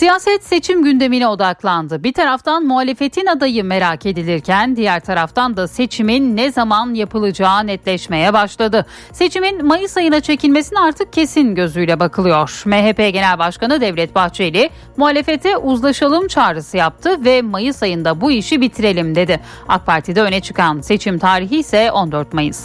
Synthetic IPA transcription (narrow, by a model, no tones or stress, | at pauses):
sijaːsɛt̪se̞t͡ʃʰimɟynd̪e̞minio̞d̪aklˠand̪ɯbiɾt̪ʰaɾaft̪ʰanmuɦaːlʲe̞fe̞t̪ʰinad̪ajɯme̞ɾacʰe̞d̪ilʲiɾcʰænd̪ijæɾt̪ʰaɾaft̪ʰand̪ase̞t͡ʃʰiminːɛzamanjapɯlˠɯd͡ʒaːnɛt̪lʲɛʃme̞jɛbaʃlˠad̪ɯ | se̞t͡ʃʰiminmajɯsajɯnat͡ʃʰe̞cilʲmesiniaɾt̪ʰɯk̚cʰe̞sinɟø̞zyjlʲɛbakʰɯlˠɯjo̞ɾ̥mɛɦepeɟe̞nælʲbaʃkanɯd̪ɛvlʲɛt̪̚baxt͡ʃʰejlʲɪ | muɦaːlʲe̞fe̞t̪ʰɛʔuzlˠaʃalˠɯmt͡ʃʰaːɾɯsɯjap̚t̪ʰɯvɛmajɯsajɯnd̪abuiʃibit̪ʰiɾe̞lʲimd̪e̞d̪ɪ | a̰k̚pʰaɾt̪ʰid̪ɛø̞nɛt͡ʃʰɯ̥kanse̞t͡ʃʰimt̪ʰaːɾiɦiːsɛo̞nd̪øɾt̪majɯ̰s